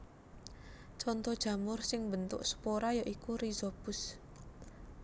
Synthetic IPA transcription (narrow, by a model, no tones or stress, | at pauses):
t͡ʃɔnt̪ɔd̥ʒ̥ä̤mʊrsɪŋbənt̪ʊ̰ʔsə̥poɾajɔʔikuɾizob̥ʊs